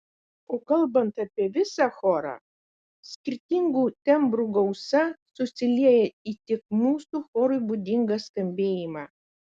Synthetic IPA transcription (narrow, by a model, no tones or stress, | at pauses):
oːkɐlˠbɐnt̪ɑpʲiɛʋʲɪsɑxɔːɾɑ̰ | sʲkʲɪɾʲt̪ʲɪŋɡuːt̪ʲɛmbɾuɡɐʊsɐsʊsʲɪlʲiɛjɛiːt̪ʲɪkmuːsuːxɔːɾʊjbud̪ʲɪŋɡɑskɐmʲbʲeːjimɑː